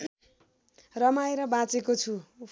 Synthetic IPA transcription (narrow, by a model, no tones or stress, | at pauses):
rʌmaeɾʌbãt͡sekot͡sʰu